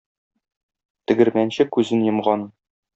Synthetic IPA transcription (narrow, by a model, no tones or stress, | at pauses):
t̪ɘ̆ɡɘ̆ɾmænɕɘkʉzɘnjɤ̆mʁɑn